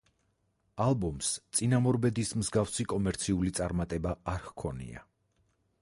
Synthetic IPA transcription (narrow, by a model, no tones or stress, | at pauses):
alˠbɔmst̪sʼinamɔɾbɛd̪ismzɡafsikʼɔmɛɾt̪sʰiulit̪sʼaɾmat̪ʼɛbaaɾhkʰɔnḭa̰